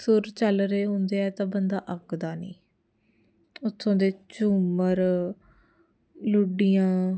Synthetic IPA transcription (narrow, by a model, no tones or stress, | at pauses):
sʊɾt͡ʃəlɾeːɦõnd̪eːɛːt̪ãːbənd̪aːʔəkd̪aːnḭ̃ː | ʊt̪ʰːõːd̪eːt͡ʃuːməɾ | lʊɖijãː